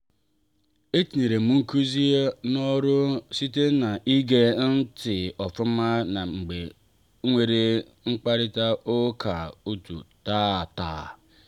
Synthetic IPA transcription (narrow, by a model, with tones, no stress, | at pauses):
e˦ti˨ne˨ɾe˨mu˦ŋ̩˦ku˦zi˦e˦nɔ˦ɾʊ˦si˦te˦na˨ʔi˦ɡe˦n̩˦tɪ˨ɔ˨fʊ˦ma˦na˨ŋ͡m̩˨ɡ͡be˨˦ | ŋʷe˨ɾe˨ | ŋ͡m̩˦k͡pa˦ɾɪ˦ta˦o˦kʰa˨u˦tṵ˨ta˦˨ta̰ː˨